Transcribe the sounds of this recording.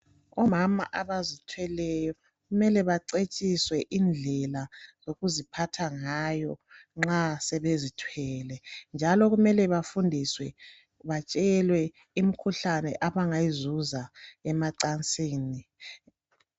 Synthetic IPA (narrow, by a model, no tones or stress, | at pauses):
ɔmama̰ʔaβazitʰwɛlɛjɔ | ɣumɛlɛβaǀet͡ʃʼiswɛʔind͡ɮʱɛlazoɣuzipʰatʰaŋajɔŋ͡ǁasɛβezitʰwɛlɛnd͡ʒʱalɔɣumɛlɛβafundʱiswɛ | βat͡ʃʼɛlwɛ | imikʰuɬanɛ̰ʔaβaŋajizuzaɛmaǀant͡sʼiːni